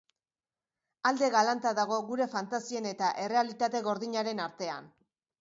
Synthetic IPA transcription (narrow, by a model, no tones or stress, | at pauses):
ald̪e̞ɣalant̪aðaɣ̞o̞ɣuɾe̞fant̪asie̞ne̞t̪aʔe̞re̞alit̪at̪e̞ɣo̞ɾðiɲaɾe̞naɾt̪e̞a̰n